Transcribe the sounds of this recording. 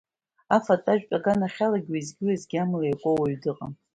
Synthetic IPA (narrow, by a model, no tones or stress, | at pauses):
afatʼaʒᶣpʼaɡanaχʲalaɡʲwajzɡʲɪlazɡʲamlajakʷʼowaɥdɨqʼa